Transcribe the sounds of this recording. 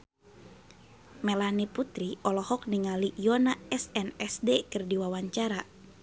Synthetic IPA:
mɛlaniput̪ɾiɔlɔhɔk̚niŋaliʔijɔnaɛsɛnɛsdekɨrdiwawaɲt͡ʃaɾa

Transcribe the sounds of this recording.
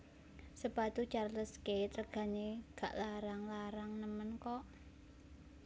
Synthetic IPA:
səpat̪ut͡ʃarləsket̪ɾəɡ̥a̤neɡ̥a̤ʔlaɾaŋlaɾaŋnəmənkɔʔ

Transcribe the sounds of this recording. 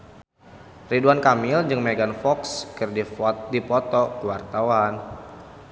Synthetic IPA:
riduankamɪld͡ʒɨŋmeɡanfɔkskɨrdidipɔt̪ɔkuwart̪awan

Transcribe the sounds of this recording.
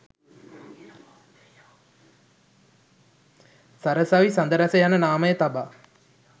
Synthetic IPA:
saɾəsaʋisand̪əɾasəjanənaːməjət̪aba

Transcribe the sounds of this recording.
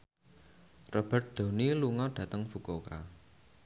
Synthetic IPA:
rɔb̥ərt̪̚d̪̥o̤niluŋɔɖ̥ä̤t̪əŋfukoka̰

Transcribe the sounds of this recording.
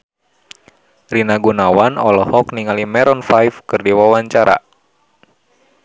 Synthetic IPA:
rinaɡunawanɔlɔhɔkniŋalimɛɾɔnfajfkɨrdiwawaɲt͡ʃaɾa̰

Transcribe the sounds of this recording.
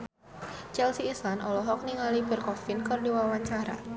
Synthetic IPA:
t͡ʃɛlsiːslanɔlɔɦɔk̚niŋalibərkɔfɪnkɨrdiwawaɲt͡ʃaɾa̰

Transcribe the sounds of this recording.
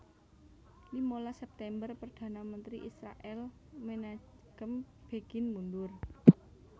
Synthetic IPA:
limolasɛp̚t̪ɛmbərpərd̪̥a̤namənt̪ɾiʔisɾa̰ʔɛl | mena | ɡ̥əm | b̥eɡ̥ɪnmund̪ʊr

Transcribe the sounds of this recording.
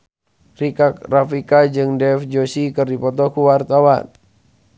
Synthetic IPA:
rikak̚rafikad͡ʒɨŋdɛfd͡ʒosikɨrdipɔt̪ɔkuwart̪awa̰n

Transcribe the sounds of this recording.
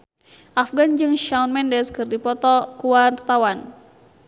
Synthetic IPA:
ʔafɡand͡ʒɨŋʃaunmɛndɛskɨrdipɔt̪ɔkuwart̪awan

